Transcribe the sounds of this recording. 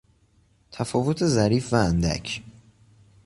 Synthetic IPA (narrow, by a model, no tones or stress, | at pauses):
t̪ʰæfɒːvot̪ʰe̞zæɾiːfvæːnd̪æ̰cʰ